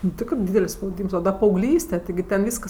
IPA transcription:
nʊ ˈtʲɪkrɜ ˈdʲiːdʲɛlʲsʲ spɐʊˈdʲiːms oː dɐ pɐɐʊˈɡlʲiːsʲtʲɛ tʲɪˈɡʲɪ tʲɛn ˈʋʲiːskɐs

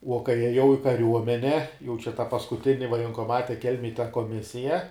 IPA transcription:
uɔ kɐɪ ˈjiɛjɛʊ ɪ kɐˈrʲuɔmʲɛnʲɛ jɛʊ t͡ʃʲɛ tɐ pɐskʊˈtʲɪnʲɪ ʋɐjɛŋkoːˈmɑːtʲɛ ˈkʲɛlʲmʲeːj tɐ koːˈmʲɪsʲɪjɛ

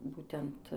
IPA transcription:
ˈbuːtʲɛnt

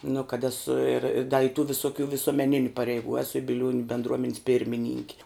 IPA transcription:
nʊ kɐt ˈæːsʊ ɪr ɪ dɐ ɪ tʊ ʋʲɪsʊˈkʲuː ʋʲɪsuɔmʲɛˈnʲɪnʲʊ pɐrʲɛɪˈɡuː ˈæːsʊ ɪ bʲɪˈlʲuɔnʲʊ bʲɛndˈruɔmʲɛnʲɪs ˈpʲɪrʲmʲɪnʲɪŋʲkʲɪ

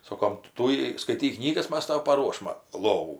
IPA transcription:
ˈsoːkoːm ˈtuːjɛɪ skɐɪˈtʲiːk ˈknʲiːɡɐs ˈmɐs ˈtɐʊ pɐˈruɔʃmɐ ˈlˠoːʋuː

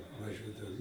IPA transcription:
ʋɐˈʒʲuɔdɐʋoː

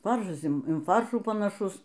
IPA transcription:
ˈfɐrʃɐs ɪn ˈfɐrʃuː pɐnɐˈʃʊs

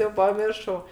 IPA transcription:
jɛʊ pɐˈmʲɪrʃɐʊ

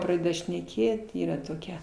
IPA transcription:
prɐˈdʲæːdɐ ʃʲnʲɛˈkʲeːt ˈiːrɐ toːˈkʲɛ

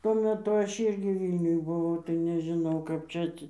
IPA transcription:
tuɔ mʲɛˈtʊ ˈɐʃ ˈiːrʲɡʲɪ ˈʋʲiːlʲnʲʊj bʊˈʋɐʊ tɐɪ nʲɛʒʲɪˈnɐʊ kɐp ˈt͡ʃʲɛ ˈɑːtʲsʲɪ

